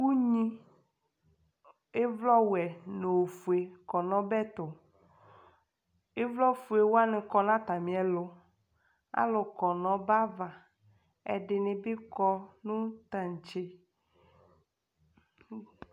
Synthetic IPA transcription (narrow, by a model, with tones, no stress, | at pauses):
wu˦ɲĩ˦ | e˦vlɔ˦wɛ˨no˨fu˨e˨kɔ˨nɔ̃˦bɛ˦t̪ʊ˨ | e˦vlɔ˦fu˨e˨wo˦a˦nɪ̃˨kɔ˦nã˦t̪a˨mĩ˨ɛ˨lʊ˨ | a̰˦lʊ˨kɔ˨nɔ̃˨ba˦va˨ | ɛ̰˨ɖɪ˨nɪ̃˨bɪ˦kɔ˦nũ˦t̪a˨ɲ˨t͡ʃe˦